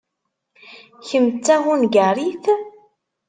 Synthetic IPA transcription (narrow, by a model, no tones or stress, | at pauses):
çəmt͡sːæɦunɡaɾiθ